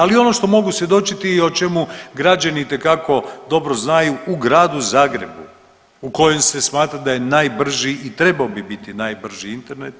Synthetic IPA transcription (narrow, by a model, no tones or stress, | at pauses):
alio̞no̞ʃt̪o̞mo̞ɡusʋje̞d̪o̞t͡ʃit̪io̞t͡ʃe̞muɡɾad͡ʑanit̪e̞kako̞d̪o̞bɾo̞znajuuɡɾaːd̪uzaːɡɾe̞bṵ | uko̞je̞mse̞smaːt̪ɾad̪aje̞naːjbr̩ʒiʔːt̪ɾe̞baobibit̪inaːjbr̩ʒiint̪e̞ɾne̞t̪